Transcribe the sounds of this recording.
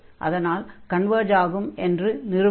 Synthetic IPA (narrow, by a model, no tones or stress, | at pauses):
ʔɐ̰ðɐnaːlkɐɳʋɐːɾd͡ʒaːɣɯmʔɛndrɯnɪɾɯ